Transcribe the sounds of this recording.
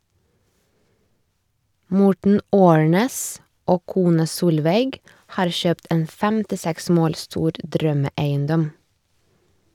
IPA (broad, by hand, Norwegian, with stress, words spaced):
ˈmɔʈɳ̩ ˈoːɳeːs ˈoː ˈkuːnɑ ˈsuːlʋeɪɡ ˈhɑːɾ ˈçøːpt ˈeːn fɛmtɪˈsɛks ˈmoːl ˈstuːɾ ˈdɾœməˌæɪənˌdɔm